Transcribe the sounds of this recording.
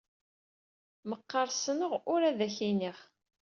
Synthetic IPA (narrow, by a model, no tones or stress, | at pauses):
məqːɑɾˤsənəʁʊɾæðæçiniχ